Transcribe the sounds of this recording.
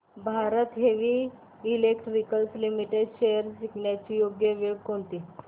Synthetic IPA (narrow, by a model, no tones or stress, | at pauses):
bʱaɾət̪ɦeʋiː | lekʈɾikəlslimiʈeɖɕejəɾɕikɳjat͡ɕijoɡjəʋiɽkoɳt̪iː